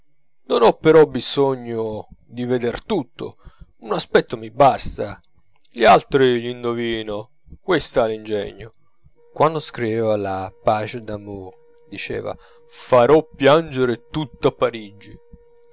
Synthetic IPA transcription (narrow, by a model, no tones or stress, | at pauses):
nonɔpːeɾɔbisɔɲːod̪ived̪ert̪ut̪ːo̰unaspɛt̪ːomibast̪a | ʎialt̪ɾiʎind̪oviːno | kwest̪alind͡ʒɛ̰ɲːo | kwand̪ʊskɾivɛːvalapaːt͡ʃed̪amoɾ | d̪it͡ʃɛ̰ːva̰ | faɾɔpːjand͡ʒeɾɪt̪ut̪ːoapːaɾid͡ʒi